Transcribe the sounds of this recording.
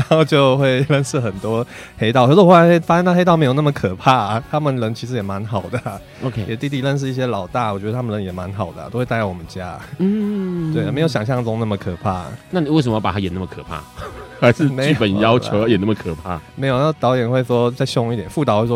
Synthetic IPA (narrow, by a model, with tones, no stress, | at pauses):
a˧˥xo˥˧t͡ɕjo˥˧ʊxwe˥˧ɪlə˥˧nʂɻ̩˥˩xə˨˩nt̪wɔ˦˥xe˥ɪt̪ɑ˥ʊkʰə˧˥wxo˥˩a˧˥ne˥fa˥ɕnʰa˥˧xe˥ɪt̪̬ɑ˥˩me˥jo˨˩na˥˩mə˩kʰɤ˨˩pʰa˥˩t̪ʰa˥mə˨nlə˧˥ŋt͡ɕʰi˧˥ʂ̬ɻ̩˧˥jɛ˨˩ma˧˦nxɑ˨˩ʊd̪ə˩ | o˧kʰe˧jɛ˨˩t̪i˥˧t̪̬i˥˧lə˥˧nʂ̬̩˥˧i˥˩ɕ̬jɛ˥lɑ˨˩ʊt̪a˥˩wɔ˨˩t͡ɕɥɛ˧˥d̪tʰə˨lə˧˦ŋjɛ˨˩ma˧˦nxɑ˨˩ʊd̪ə̰˩˨t̪o˥ʊxwe˥˧t̪a˧˥wɔ˨˩mə˦t͡ɕja˦˥n̩˥˩we˥˩ɪ˨me˧˥jo˧˩ʊɕɑ˨˩ŋɕjɑ˥˧˩ŋʈ͡ʂʊ˥ŋna˥˩mə˨˩kʰɤ˨˩pʰa̰˥˩na˥˨we˥˩sə˧mə˦jpa˨˩a˥jɛ˨˩na˥˩mə˨˩kʰɤ̰˨˩pʰa̰˥˩xa˧˥ʂɻ̩˥˧me˧˥ɪji˥˧˩pə˨˩njɑ˦ʊt͡ɕjʊjjɛ˨˩na˥˩mə˩kʰɤ˨˩pʰa̰˥˩me˧˥ɪjna˥˩t̪ɑ˧˥ʊjɛ˨˩nxwe˥˩ɪʂwɔ˥t͡sa˥˧ɪɕɔ˥˧ŋi˥˩t̪jɛ˨˩nfu˥˩t̪ɑ˥ʊxwe˥˩wɔ˥˧